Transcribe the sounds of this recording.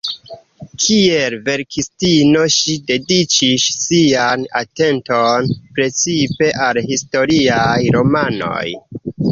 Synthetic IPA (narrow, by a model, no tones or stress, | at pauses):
kʰie̞lve̞ɾkʰistino̞ʃide̞dit͡ʃiʃsianate̞ntonpɾe̞t͡sipe̞ʔalɦisto̞ɾiajɾo̞mano̞̰j